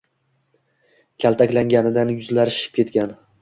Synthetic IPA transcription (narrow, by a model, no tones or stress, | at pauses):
kʲʰalˠt̪ʰakʲlaŋɡʲanɪd̪anjʊzlaɾɪʃɪ̥p̚kʲe̞t̪̚kʲan